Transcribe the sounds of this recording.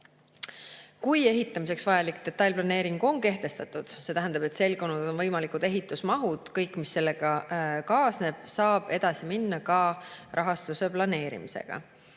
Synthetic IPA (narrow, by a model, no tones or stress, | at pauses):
kuje̞ɦit̪ˑːɑmise̞ksvɑjɑlikd̪̥e̞t̪ːˑɑjlʲplɑne̞ːɾiŋɡ̥o̞ŋke̞ht̪e̞st̪ɑt̪ːˑud̪̥se̞t̪æɦænd̪̥ɑb̥et̪se̞lɡo̞nːud̪̥o̞nvɤjmɑlikud̪̥e̞ɦit̪ːˑusmɑɦud̪̥kɤjkˑmisːe̞lːeɡ̥ɑkɑːsne̞b̥sɑːb̥e̞d̪̥ɑsiminːɑkɑrʔɑɦɑst̪use̞plɑne̞ːɾḭmise̞̰ɡ̥ɑ̰